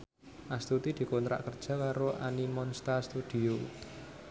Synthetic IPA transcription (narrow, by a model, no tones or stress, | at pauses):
ʔast̪ut̪id̪̥i̤kont̪ɾa̰ʔkərd̥ʒ̥a̤kaɾoʔanimɔnst̪ast̪ud̪̥i̤o